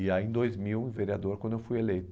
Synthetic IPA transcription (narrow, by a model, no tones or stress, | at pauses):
iaẽd̪ojzmiwẽveɾiad̪oɾkwɐ̃nd̪ewfujelejt̪